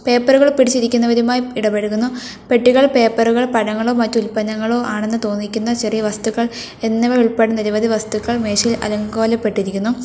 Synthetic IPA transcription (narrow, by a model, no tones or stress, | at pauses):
pe̞ːpːɐruɣɐɭpiɽit͡ɕːiɾikʲːunːɐʋɐɾumaːjiiɽɐpe̞ɽukːunːu | pe̞ʈːiɣɐɭpe̞ːpːɐruɣɐɭpɐɾɐŋːɐɭo̞ːmɐtːulpɐnːɐŋːɐɭo̞ːʔaːɳe̞nːɨt̪o̞ːnːikʲːunːɐt͡ɕɐrijɐʋɐst̪uɣːɐɭ | e̞nːɐʋɐɾuɭpeɽeniɾɐʋɐðiʋɐst̪ukːɐɭme̞ːʂilɐ̰lɐŋɡo̞ːlɐpːe̞ʈːiɾikʲːunːu